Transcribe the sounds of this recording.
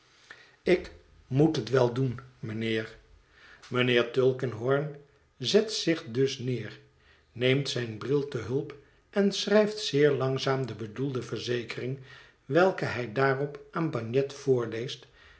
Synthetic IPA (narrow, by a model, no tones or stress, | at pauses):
ɪk | mutɦətʋɛlˠdunmənɪːr | mənɪːɹtølˠkənɦɔɹn | zɛtsɪχdɵsnɪːr | nejmtsɛjnbrɪlˠtəɦɵlˠp | ʔɛnsrɛjftsɪːɹlɑŋzaːmdəbədulˠdəvəɹzejkərɪŋ | ʋɛlˠkəɦɛjdaːrɔpʔaːnbɑɲjɛtfʊːɹlejst